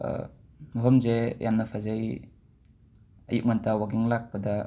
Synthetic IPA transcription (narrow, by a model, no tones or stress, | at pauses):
məɦɔmzejamnapʰazaj | ə̰juʔ̚ŋantawaɡiŋlak̚bada